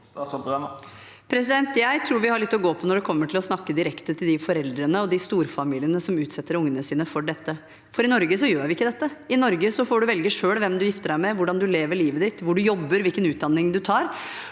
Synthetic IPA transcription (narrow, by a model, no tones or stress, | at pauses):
pʰɾɛs̬ɪd̪ɛnt̪jæɪt̪ʰɾuːɾʋɪhɑɭɛt̪ːɔɡoːpʰɔnɔɖɛkʰɔmːəʈʰɪlɔsnɑkːəd̪ɪɾɛkt̪ət̪ʰɪld̪ɪfɔɾɛld̪ɾənəɔd̪ɪst̪uːɾfɑmiːlɪənəsɔmʉːt̪sɛt̪ːəɾʊŋːənəsiːnəfɔɖɛt̪ːə | fɔɾɪnɔɾɡəs̬ɔjøːɾʋɪɪkːəd̪ɛt̪ːəɪnɔɾɡəsɔfoːɖʉʋɛlɡəʂøːɽʋɛmd̪ʉjɪft̪əɖæɪmɛʋʊɖɑnd̪ʉleːʋəɭiːʋəd̪ɪt̪ːʋʊɖʉjɔbːəɾʋɪlkənʉːt̪̚d̪ɑnːɪŋd̪ʉt̪ʰɑːɾ